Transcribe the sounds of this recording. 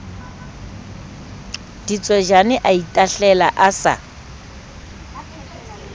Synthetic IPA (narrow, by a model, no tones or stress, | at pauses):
d̥it͡sʼwɛʒanɪʔaitʼaɬɛlaʔasa̰